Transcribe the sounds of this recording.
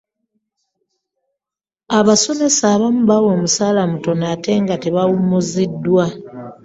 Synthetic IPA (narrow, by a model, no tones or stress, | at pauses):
aβaso̞me̞saːβamuβawo̞ːmusaːlamuto̞naːte̞ːŋɡateβawumuzidːwa